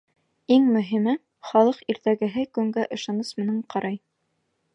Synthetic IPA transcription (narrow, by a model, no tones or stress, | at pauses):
iŋmɵ̆ɦimɘn | χɑlˠɤqiɾt̪æɡɘ̆ɦɘkʉŋɡæʔɤ̆ʃɑnɤsmɘ̆nɘɴqɑɾʔɑj